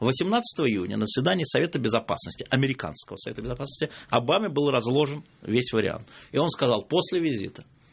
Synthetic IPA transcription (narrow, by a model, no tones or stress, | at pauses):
vəsʲɪmnat̪sə̥t̪əvəɪjunʲə̰nəzəsvʲɪd̪anʲɪjəsɐvʲe̞t̪əbʲɪzɐpa̰snəsʲtʲɪʔɐmʲɪɾʲɪka̰nskəvəsɐve̞t̪əbʲɪzɐpasnə̥sʲtʲɪɐbamʲɪbɨlˠrɐzlˠo̞ʐən | vʲesʲvəɾʲɪ̰a̰nt̪ɪo̞nskɐzɑlˠpo̞sʲlʲɪvʲɪzʲḭt̪ə